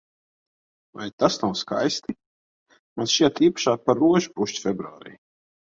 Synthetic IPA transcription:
va̰jt̪asnawska̰jst̪i | mansʃiɛt̪iːpḁʃaːpaɾːuɔʒu̥puʃt͡ʃfʲɛbɾuaːɾḭː

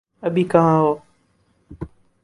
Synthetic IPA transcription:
əbʱiːkaʋãːɦoː

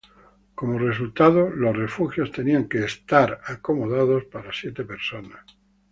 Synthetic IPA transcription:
ko̞more̞sult̪að̞olo̞sre̞fuxjo̞st̪e̞niaŋkeːst̪aɾako̞moðað̞ospaɾasjet̪epe̞ɾsonas

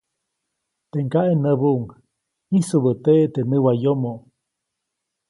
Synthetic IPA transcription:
t̪eŋkaʔenəβuʔuŋ | isuβət̪et̪enɨwajomo

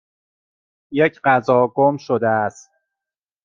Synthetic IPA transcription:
jecʰɢæzɒːɡomʃod̪eæst̪̚

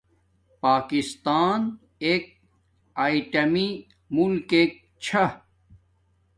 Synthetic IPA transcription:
paːkist̪aːn | eːk̚ | aːiʈɐmi | mulkeːk̚t͡ɕʰɐ

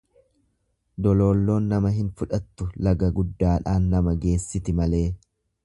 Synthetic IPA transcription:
d̪ɔlo̞ːlːo̞ːnːɐmɐɦɪnfʊᶑɐt̪ːʊlɐɡɐɡʊd̪ːaːᶑaːnːɐmɐɡe̞ːsːɪt̪ɪmɐle̞ː

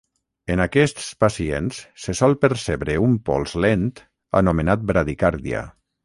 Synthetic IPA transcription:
enakɛst̪spasiensːesɔlˠpəɾseβɾeumpɔ̰lˠzlent̪ | a̰numenat̪̚bɾaðikaɾðia̰

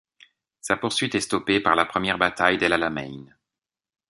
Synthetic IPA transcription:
sapuʁsɥit̪ɛst̪ɔpepaʁlapχəmjɛʁbat̪ajd̪elalamɛ̰jn

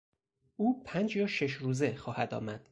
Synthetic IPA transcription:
ʔuːpʰænd͡ʒjɒːʃeʃɾuːzexɒːhæd̪ɒ̰ːmæd̪̥

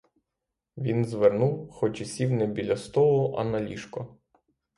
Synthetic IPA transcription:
ʋʲinzʋernuwxɔt͡ʃisʲiwnɛbʲilʲɐst̪ɔlˠʊʔɐ̰nɐlʲiʃkɔ

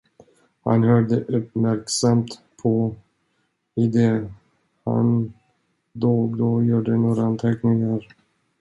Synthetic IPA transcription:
ha̰nhœːɖ̪əʔɵpmæɾksamt̪ | pʰɔ | ɪd̪ɛ | ha̰n | d̪oːɡd̪ɔjuːɖənoːɾaant̪ʰɛknɪŋaɾ

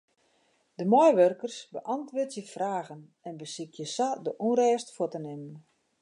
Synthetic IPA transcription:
dəmɔjʋørkərsbəʔantʋʊːtjəfraːɣən | ɛnbəsikʰjəsadəʔunɾɛːstfətənɪmən

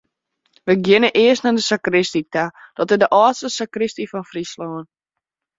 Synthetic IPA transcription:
ʋəɡjɪnəʔɪəsnadəsakrɪstitad̥ɔtədəʔɑːtstəsakrɪstifɔnfrislɔːn

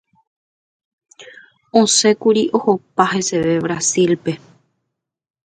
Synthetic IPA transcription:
õse̞kuɾiʔo̞hopaɦe̞se̞ʋe̞βɾasilpe̞

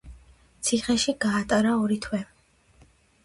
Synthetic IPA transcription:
t̪sʰiχɛʃiɡaːt̪ʼaɾaɔɾit̪ʰwɛ

